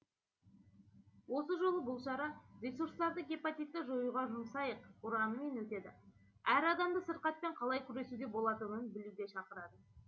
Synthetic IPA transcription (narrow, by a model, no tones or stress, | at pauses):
wo̞səʒo̞lˠəbʊlˠʃɑɾɑɾʲe̞suɾst̪ɑɾd̪əɡʲepat̪ijt̪ːɪʒo̞juʁɑʒʊmsɑjəqʊɾɑnəme̞nwɵt̪e̞d̪ɪ | æɾɑd̪ɑmd̪əsəɾqɑt̪̚pe̞ɴqʰɑlˠɑjkʲʰʏɾe̞sud̪e̞bo̞lˠɑt̪ənənbɪluɡ̪ʲe̞ʃɑqəɾɑd̪ə